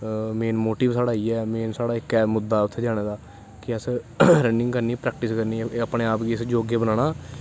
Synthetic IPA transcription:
meːnmoːʈiːʋsaːɽaːiːɛːmeːnsaːɽaːɪkːɛːmʊd̪ːaːʊt̪ʰːeːd͡ʒaːɽ̃eːd̪aː | kɪəs | ɾənɪ̃ŋɡkəɾniːpɾɛːk̚ʈɪskəɾniːəpɽeːaːpɡiːəsd͡ʒoːɡeːbənaːɽ̃aː

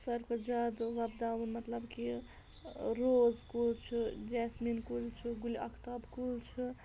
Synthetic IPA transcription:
səɾkod͡ʒad̪ʋɐbd̪aʋənmɐt̪ləbki | ɾozkult͡ʃʰud͡ʒɛsminkult͡ʃʰuɡuliɐkʰt̪abkult͡ʃʰɨ

